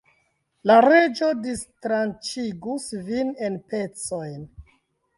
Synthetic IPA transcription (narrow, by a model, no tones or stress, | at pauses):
laɾe̞d͡ʒo̞distɾant͡ʃiɡusvine̞npe̞t͡so̞jn